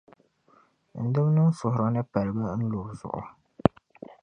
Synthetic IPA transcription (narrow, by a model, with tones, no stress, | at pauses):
n̩˨dɨ˦m˦nɨ˦n˦fʊ˨hʊ˨ɾɔ˦nɨ˦pa˨lɨ˨ba˦n̩˦lʊː˨ɾzʊ̰˨ʔʊ̰˨